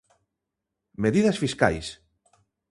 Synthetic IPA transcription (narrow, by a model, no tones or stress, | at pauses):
meðiðɐsfiska̰js